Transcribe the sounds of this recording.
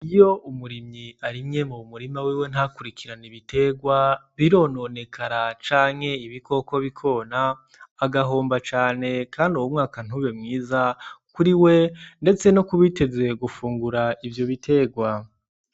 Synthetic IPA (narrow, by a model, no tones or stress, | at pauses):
ijo̞umuɾimɲiaɾimŋe̞mumuɾimawiwe̞n̥hakuɾikʰiɾaniβitʰe̞ɡwaβiɾo̞no̞ne̞kʰaɾat͡ʃaːŋ̥he̞iβikʰo̞ko̞βikʰo̞naː | ɡaɦo̞ːmbat͡ʃaːne̞kaːnduwomŋaːkan̥uβemŋiːzakuɾiwe̞nde̞t͡se̞nokuβite̞ze̞ɡufuːŋɡuɾaivjo̞βitʰe̞ɡwa